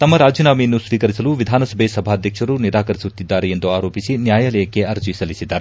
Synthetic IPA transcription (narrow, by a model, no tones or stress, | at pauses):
t̪ɐmːɐɾaːd͡ʒinaːmɐjɐnːusʋiːkɐɾisɐluʋid̪ʱaːnɐsɐbʱesɐbʱaːɐd̪ʱjɐkʂɐɾuniɾaːkɐɾisut̪ːid̪ːaːɾeend̪uaːɾo̞ːpisinjaːjaːlɐjɐkːe̞ɐɾd͡ʒisɐlisid̪ːaːɾe